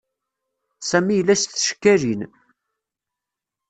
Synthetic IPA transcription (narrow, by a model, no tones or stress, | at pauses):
sæmijəlːæst̪ːʃkːæɾin